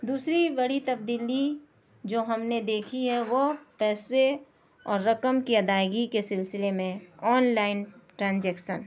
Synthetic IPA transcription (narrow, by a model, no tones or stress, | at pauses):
d̪uːsɾibɐɽit̪ɐb̚d̪iːli | d͡ʒoːɦɐmned̪eːkʰiɦɛʋopɛːse | ɔːɾːɐkəmkiɐd̪aːjɡikesɪlsɪlemẽɔːnlaːɪnʈɾãːnd͡ʒɛːkʃə̰n